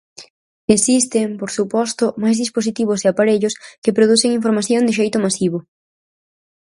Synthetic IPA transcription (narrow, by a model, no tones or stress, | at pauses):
esist̪ɪŋpoɾsupɔst̪ʊmajzðisposit̪iβ̞ʊseapaɾeʎʊskɪpɾoð̞uθeŋiɱfoɾmaθjoŋd̪ɪʃ̬ejt̪ʊmasiβ̞o